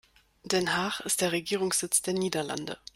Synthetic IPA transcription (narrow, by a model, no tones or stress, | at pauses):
d̥ɛnɦaːχɪst̚d̥eːɐʁeɡiːʁ̞ʊŋsz̥ɪt͡sd̥eːɐniːdɐla̰ndə̰